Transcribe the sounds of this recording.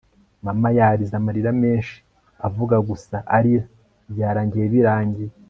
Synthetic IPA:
mamajaɾizamaɾiɾame̞ːnʃi̥ | avuɡaɡusaʔaɾia | bjaːɾaːɲɟijeβiɾaːɲɟi

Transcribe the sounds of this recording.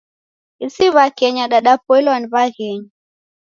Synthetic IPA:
isiβakɛɲaɗaɗapɔɛlanβaɣɛɲi

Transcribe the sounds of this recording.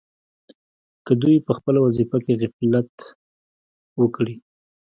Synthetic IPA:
kəd̪ujpəxpəlawazifakeɣɪflat̪ | wəkɽi

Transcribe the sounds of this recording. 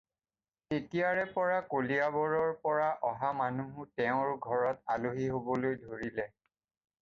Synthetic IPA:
etijaɹɛpɔɹakolijabɔɹɔɹpɔɹaʔɔɦamanuɦʊtɛʊ̃ɹɡʱɔɹɔtaloɦiɦobɔlojdʱoɹilɛ

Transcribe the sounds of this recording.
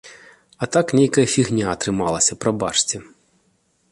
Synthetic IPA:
ɐt̪aknʲejkɐjɐfʲiɣnʲaːt̪ɾɪmɑlˠɐsʲɐpɾɐba̰t͡ʂt͡sʲɪ

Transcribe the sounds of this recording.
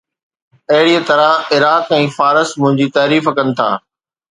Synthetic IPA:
ɐɦɪɽiːət̪ɐɾãɪɾaːt̪ɛ̃ːfaːɾəsmʊ̃ɦɪ̃ɲd͡ʑiːt̪aːɾiːfkɐnɪ̆t̪ʰa̰ː

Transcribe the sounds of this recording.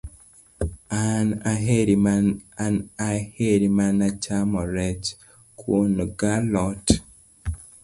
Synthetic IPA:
anaɦeɾimananaheɾimanat͡ʃamɔɾɛt͡ʃ | kʰwonɡalɔt

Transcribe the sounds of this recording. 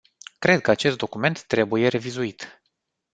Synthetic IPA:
kɾe̞d̪̚kəat͡ʃe̞st̪̚d̪o̞kume̞nt̪ːɾe̞buje̞ɾe̞vizuit̪

